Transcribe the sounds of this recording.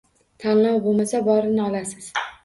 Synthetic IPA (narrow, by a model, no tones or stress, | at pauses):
t̪ʰanlɒwbomasabɒɾɪnɪɒlasɪz̥